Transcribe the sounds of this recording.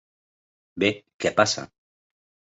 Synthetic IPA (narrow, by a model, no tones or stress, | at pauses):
bekepasa̰